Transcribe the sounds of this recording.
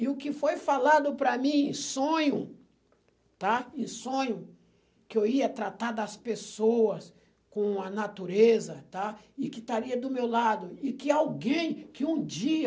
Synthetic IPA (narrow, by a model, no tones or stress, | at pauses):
ɪʊkɪfojfalad̪ʊpɾɐmĩẽsõɲʊ | t̪aẽsõɲʊ | kɪewiɐt̪ɾat̪aɾd̪ɐspesoɐs | kõɐnat̪uɾezɐt̪a | ɪkɪt̪aɾiɐd̪ʊmewlad̪ʊɪkɪawɡẽj̃kɪũd͡ʒiɐ